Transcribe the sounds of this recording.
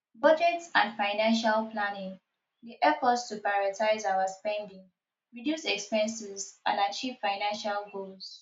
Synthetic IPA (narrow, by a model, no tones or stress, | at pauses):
bʌd͡ʒɛtsãnfaɪnãnʃalplanɪ̃ŋ | diʔɛfɔtstupɹajɔtʰaɪzaʊaspɛ̃ndĩŋ | ɹidjusɛkspɛ̃nsɪzʔã̰ndat͡ʃiv̥faɪnãnʃalɡols